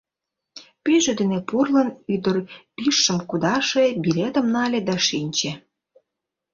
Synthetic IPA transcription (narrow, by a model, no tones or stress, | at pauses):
pyʒed̪enepurlənyd̪ərpiʃːə̆mkud̪ɑʃebilʲet̪ə̆mnɑlʲed̪ɑʃinʲt͡ɕe